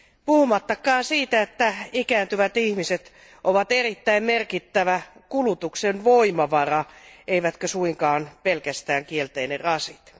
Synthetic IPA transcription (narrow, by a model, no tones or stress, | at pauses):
puhumɑt̪ːɑkːˑɑːnsiːt̪æet̪ːæikæːnt̪yʋæt̪ihmiset̪ | ʔoʋɑt̪erit̪ːæimmerkit̪ːæʋækulut̪uksenʋoimɑʋɑrɑeiʋæt̪køsuiŋkɑːnpelkæst̪æːŋkielt̪einerrɑsit̪